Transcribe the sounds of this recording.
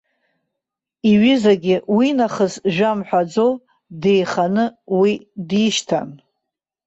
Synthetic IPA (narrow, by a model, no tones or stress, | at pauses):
iɥɪzaɡʲɪwinaχəsʒᶣamħʷᶣad͡zow | de̞jχanɨwidiʃtʰa̰n